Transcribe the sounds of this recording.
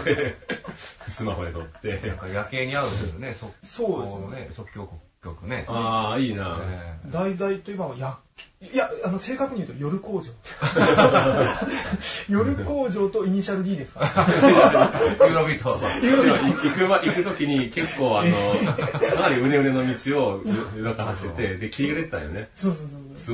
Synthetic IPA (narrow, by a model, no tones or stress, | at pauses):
e | sɨmaɦoɲʲit̪ot̪ːe̞ã̰kajake̞ːɲ̟iaɾɯ̃d̪sonesoso̞ːd̪esnesokkʲokkʲokɯ̟ne̞aːiːna̰d̪aizait̪o̞imaβajakjaano̞se̞ːkakɯ̟ɲ̟iɯ̟t̪ojo̞ɾɯ̟ko̞ːd͡ʑo̞ːt̪ːe | jo̞ɾɯ̟ko̞ːʑo̞ːt̪o̞iɲ̟iɕaɾɯ̟d̪ʲiːd̪e̞sɨ̥ka | ɯɾobʲit̪ooɯiikɯβaʔikɯ̟t̪o̞kʲiɲ̟ike̞kːo̞ːanokʰanaɾʲiɯ̟ɾe̞ɯ̟ɾe̞nomʲit͡ɕio̞jɯd̪akahaɕiet̪e̞d̪e̞kʲʰiɾiɯɾe̞t̪ːã̰jo̰nesoːsoːsoː